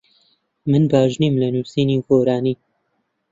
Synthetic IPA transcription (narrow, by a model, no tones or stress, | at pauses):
mɨnbaːʒniːmlɐnusiːniːxoːɾaːniː